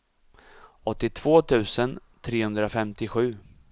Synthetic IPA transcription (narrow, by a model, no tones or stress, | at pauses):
ɔt̪ːɪt̪ʰv̥oːt̪ʰʉ̟ːsənt̪ʰɾeːhɵnd̪ɾafɛmt̪ɪɧʉ̟ː